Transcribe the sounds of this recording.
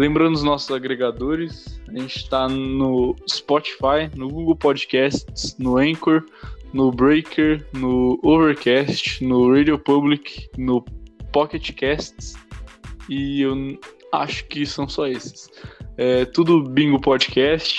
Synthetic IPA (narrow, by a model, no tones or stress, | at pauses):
lẽmbɾɐ̃ʊʊznɔsʊzaɡɾeɡad̪oɾɪsaʒẽt͡ʃɪ̥t̪anʊspɔt͡ʃi̥fajnʊɡuɡəwpɔd͡ʒɪkɛst͡ʃsnʊẽkoɾnʊbɾejkʰeɾnʊoveɾkɛst͡ʃɪ̥nʊɾed͡ʒopubliknʊpɔket͡ʃɪ̥kɛst͡ʃs | ɪewa̰ʃʊ̥kɪsɐ̃w̃sɔesɪ̥sɛt̪ud̪ʊbĩɡʊpɔd͡ʒɪkɛst͡ʃɪ̥